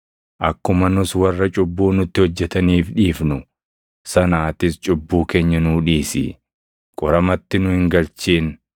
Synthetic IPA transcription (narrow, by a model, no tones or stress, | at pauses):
ʔɐkːʊmɐnʊswɐrːɐt͡ʃʼʊbːuːnʊt̪ːɪhɔd͡ʒːɛt̪ɐniːfᶑiːfnʊ | sɐnaːt̪ɪst͡ʃʼʊbːuːkeːɲːɐnuːᶑiːsɪ̰ | kʼɔɾɐmɐt̪ːɪnʊhɪŋɡɐlt͡ʃiːn